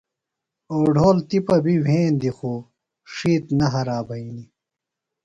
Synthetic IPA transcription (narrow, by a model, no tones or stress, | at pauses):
oːɖʱoːlt̪ipɐbiwʱẽːnd̪ixo | ʂiːt̪nɐɦɐɾaːbɐini